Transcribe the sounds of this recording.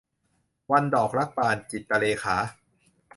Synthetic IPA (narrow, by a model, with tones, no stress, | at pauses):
wa˧ndɔː˨˩k̚ɾa˦˥k̚paː˧nt͡ɕi˨˩t̪̚pa˧leː˧xʰaː˩˦